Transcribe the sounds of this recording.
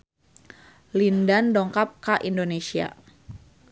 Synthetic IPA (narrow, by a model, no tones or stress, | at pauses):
lindandɔŋkap̚kaʔindonesia̰